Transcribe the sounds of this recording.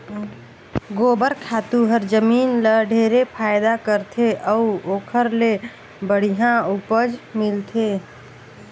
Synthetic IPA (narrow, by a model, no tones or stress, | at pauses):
ɡobəɾkʰat̪uɦəɾd͡ʒəminləɖʱeɾepʰajd̪akəɾt̪ʰeʔəuokʰəɾle | bəɽ̤iɦãupəd͡ʒmilt̪ʰe